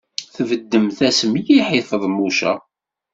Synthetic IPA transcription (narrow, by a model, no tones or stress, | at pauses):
θvəd̪ːəmθæsəmijiħɪθˤəðˤmuʃæ̰